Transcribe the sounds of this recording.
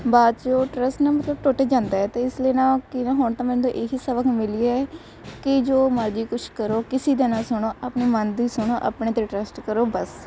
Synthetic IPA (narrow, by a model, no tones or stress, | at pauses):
baːd̪̚t͡ʃoːʈɾəsʈnaːmət̪ləb̚ʈoːʈeːd͡ʒãːnd̪aːɛːt̪eːɪsleːnãːkɪnaːɦʊɳt̪ãːmɛ̃ːnd̪õːʔeɦiːsəʋəkʰmɪliːaɛː | kɪd͡ʒoːməɾd͡ʒiːkʊt͡ʃʰkəɾoːkɪsiːd̪enãːsʊɳ̃oːʔəpɳeːmənd̪iːsʊɳ̃oːʔa̰pɳeːt̪eːʈɾəsʈkəɾoːbəs